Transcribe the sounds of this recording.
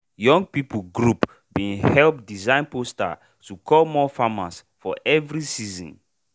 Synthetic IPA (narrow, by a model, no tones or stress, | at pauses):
jɔ̃ŋɡ̚piplɡɹup | bĩnhɛlp̚dizãɪ̃nposta̰ | tukʰɔlmɔfamas | fɔʔɛvɹisizɔ̰̃n